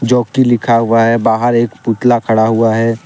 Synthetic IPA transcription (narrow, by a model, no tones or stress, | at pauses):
d͡ʒɔːkilɪkʰaɦuaɦɛbaːɦəɾeːkpuʈ̪lakʰɐɽaɦuaɦɛː